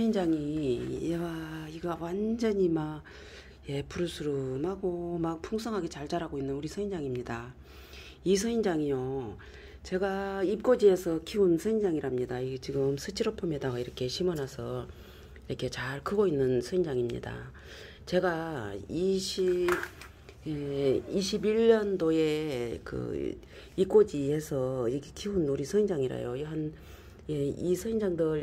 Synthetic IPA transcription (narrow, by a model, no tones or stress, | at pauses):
ʌind͡ʑaŋi | waiɡawand͡ʑʌɲimaɡ | je̞puɾusʰuɾumaɡomak̚pʰuŋsʰʌŋɦaɡe̞t͡ɕaɭt͡ɕaɾɦaɡoinːɯnuɾisʰʌind͡ʑaŋimɲida | isʰʌind͡ʑaŋijo | t͡ɕe̞ɡaip̚k͈od͡ʑie̞sʰʌkʰiunsʰʌind͡ʑaŋiɾamɲidaiɡet͡ɕiɡɯmsʰɯt͡ɕʰiɾopʰomedaɡaiɾʌkʰe̞ɕʰimʌnasʰʌ | iɾʌkʰe̞t͡ɕaɭkɯɡoinːɯnsʰʌind͡ʑaŋimɲḭda̰ | t͡ɕe̞ɡaiɕʰi | eiɕʰibiɭːʌndoe̞kɯ̰ | ip̚k͈od͡ʑiɦe̞sʰʌiɡkʰiunːoɾisʰʌind͡ʑaŋiɾa̰jojɦan | jeisʰʌind͡ʑaŋdɯɾ